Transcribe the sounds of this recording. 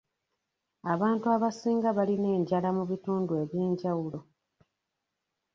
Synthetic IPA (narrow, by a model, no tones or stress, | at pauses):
aβaːntuaβasiːŋɡaβaline̞ːɲɟalamuβituːndue̞ːβje̞ːɲɟawulo̞